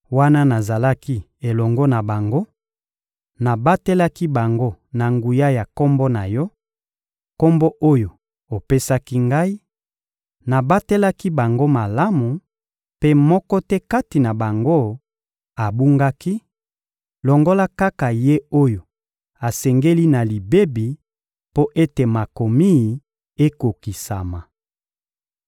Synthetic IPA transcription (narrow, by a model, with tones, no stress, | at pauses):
wa˦na˦na˨za˨la˦ki˦ | e˨lɔ˨ŋɡɔ˦na˨ba˨ŋɡo˦ | na˨ba˦te˦la˦ki˦ba˨ŋɡo˦na˨ŋɡu˨ja˦ja˨ko˦mbɔ˦na˨jɔ˦ | ko˦mbo˦ʔo˦jo˨ | o˨pe˦sa˦ki˦ŋɡa˦i˦ | na˨ba˦te˦la˦ki˦ba˨ŋɡo˦ma˨la˦mu˨ | pe˦mɔ˦kɔ˦tɛ˦ka˦ti˨na˨ba˨ŋɡo˦ | a˨bu˦ŋɡa˦ki˦ | lɔ˨ŋɡo˦la˦ka˦ka˨je˦o˦jo˨ | a˨sɛ˨ŋɡe˦li˦na˨li˨be˦bi˨ | po˦ʔe˦te˨ma˨ko˨mi˦˨ | e˦ko˨ki˨sa˨ma˨